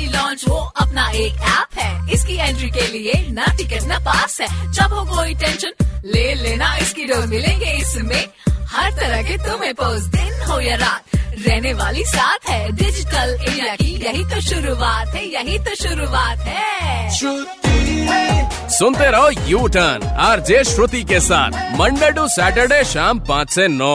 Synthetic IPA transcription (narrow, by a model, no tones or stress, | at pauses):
ilɔ̃ːnt͡ʃʋoɐpnaeːkɛːpɦɛːɪskiɛ̃ːɳʈɾikelienɐʈɪkɛʈnɐpaːsɦɛːt͡ʃɐbɦokoːiʈɛ̃ːnʃənleːleːnaɪskiɖoːɾmɪlẽːɡeɪsmẽ | hɐɾt̪ɐɾəɦket̪ʊmẽpoːsd̪ɪnɦoːjaɾaːt̪ɾɛːɦneʋaːlisaːt̪ʰɦɛɖɪd͡ʒɪʈəleːɖjakijɐɦit̪oʃʊɾuʋaːt̪ɦɛjɐɦit̪oʃʊɾuaːt̪ɦɛːʃʊt̪i | sʊnt̪eɾɐɦojuːʈənaːɾd͡ʒeːʃɾʊt̪ikesa̰ːt̪ʰmɐ̃ɳɖəɖusɛːʈəɾɖeʃaːmpãːt͡ʃsenɔː